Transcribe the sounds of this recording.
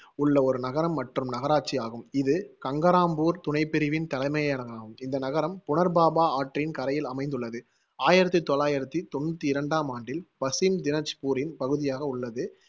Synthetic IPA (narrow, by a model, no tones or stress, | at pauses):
ʊɭːɐɔɾɯnɐɣɐɾɐmːɐʈrɯmnɐɣɐɾaːʈ̚t͡ʃːɪjaːɣɯmɪðɯkɐŋɡɐɾaːmbuːɾt̪ʊnɐɪpːɪɾɪʋɪnt̪ɐlɐɪmɐjɐɐnɐɣaːɣɯmɪnd̪ɐnɐɣɐɾɐmpʊnɐɾbaːbaːaːʈrɪnkɐɾɐjɪlɐmɐɪnd̪ɯɭːɐðɯ | aːjɪɾɐt̪ːit̪ːɔɭːaːjɪɾɐt̪ːit̪ɔnːʊt̪ːiɪɾɐɳɖaːmaːɳɖɪlpɐsɪmd̪ɪnɐt͡ʃːpuːɾɪnpɐɣɯðɪjaːɣɐʊɭːɐðɯ